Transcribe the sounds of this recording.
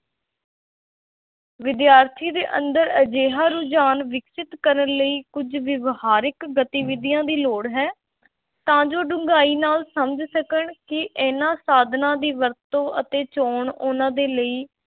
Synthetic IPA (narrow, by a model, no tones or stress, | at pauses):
ʋɪd̪jaːɾt̪ʰiːd̪eːʔə̰nd̪əɾəd͡ʒeːɦaːɾud͡ʒaːnʋɪksɪt̪kəɾənləiːkʊd͡ʒʋɪʋhaːɾɪkɡət̪iːʋɪd̪ijãːd̪iːloːɽɦɛː | t̪ãːd͡ʒoːɖʊ̃ŋɡaːiːnaːlsəməd͡ʒsəkəɳkɪʔeːnãːsaːd̪ʱnãːd̪iːʋəɾt̪õːʔə̰t̪eːt͡ʃoːɳʊnãːd̪eːləiː